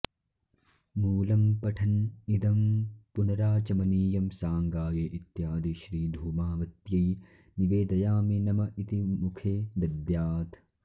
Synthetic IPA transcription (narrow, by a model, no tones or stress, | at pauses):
muːlɐmpɐʈʰɐnid̪ɐmpunɐɾaːt͡ʃɐmɐniːjɐmsaːŋɡaːjeʔit̪jaːd̪iʃɾiːd̪ʱuːmaːʋɐt̪jɐj | niʋeːd̪ɐjaːminɐmɐit̪imukʰeːd̪ɐd̪jaːt̪ʰ